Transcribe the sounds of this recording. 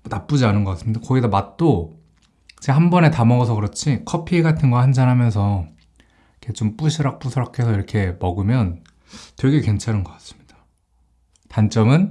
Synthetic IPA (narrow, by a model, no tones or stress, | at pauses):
nap͈ud͡ʑianɯnɡʌk͈as͈ɯmɲidakʌɡidʌmat̚t͈o | kɯd͡ʑʰehanbʌne̞tamʌɡʌsʰʌkɯɾʌt͡ɕʰikʰʌpʰieɡatʰɯnɡʌhand͡ʑanɦamjʌnsʰʌ | kʰe̞t͡ɕomp͈uɕʰiɾak̚p͈usʰiɾak̚kʰe̞sʰʌiɾʌkʰe̞mʌɡɯmjʌn | twe̞ɡe̞kwe̞nt͡ɕʰaɾɯnɡʌk͈ḁs͈ɯ̥mɲid̥ḁ | tant͡ɕ͈ʌmɯn